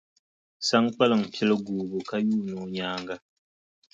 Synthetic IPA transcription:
sa˦ŋk͡pa˦lɨ˨ŋ̩˨pʰi˦lɨ˦ɡuː˨bo˨ka˦juː˦noː˦ɲaː˦ŋɡa˦

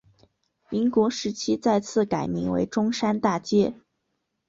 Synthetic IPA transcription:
mi˧˥nkwɔ˧˥ʂɻ̩˧˥t͡ɕʰi˥t͡sa˥˧ɪt͡sʰɹ̩˥˩ka˨˩ɪmi˧˥ŋwḛ˧˥ɪʈ͡ʂʊ˥ŋʂa˥nt̪a˥˩t͡ɕjɛ˥

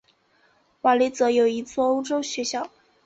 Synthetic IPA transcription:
wa˨˩li˧˥t͡sɤ˧˥jo˨˩ʊi˧˥t͡swɔ˥˧o˥ʊʈ͡ʂo˥ʊɕɥɛ˧˥ɕjɑ˥˩ʊ

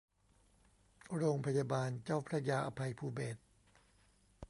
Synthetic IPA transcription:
ɾoː˧ŋpʰa˧jaː˧baː˧nt͡ɕaː˥˩wpʰɾa˦˥jaː˧ʔa˧pʰa˧jpʰuː˧beː˨˩t̪̚

